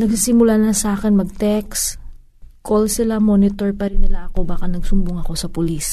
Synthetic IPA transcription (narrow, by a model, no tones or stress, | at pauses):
nɐɡ̚sisɪmʊlanɐsɐʔaːkɛnmɐɡ̚t̪ɛks | kolsɪlamo̞nɪt̪oɹpɐɾɪnːɪlaʔɐko̞baːkɐnɐɡsʊmbʊŋɐko̞sɐpʊlis